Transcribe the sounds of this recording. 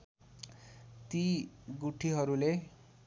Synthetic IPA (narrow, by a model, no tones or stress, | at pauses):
t̪iɡuʈʰiɦʌɾule